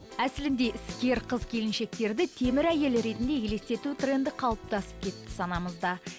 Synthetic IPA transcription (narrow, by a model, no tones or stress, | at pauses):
æsɪlɪnd̪e̞ʔɪskʲe̞ɾqʰəzkʲʰe̞lɪnʃe̞k̚t̪e̞ɾd̪ɪt̪ʰe̞mɪɾæje̞lɾe̞t̪ɪnd̪e̞jele̞st̪e̞t̪ut̪re̞nd̪ɪqʰɑlˠəp̚t̪ɑsə̥p̚kʲʰe̞t̪ːɪ̥sɑnɑməzd̪ɑ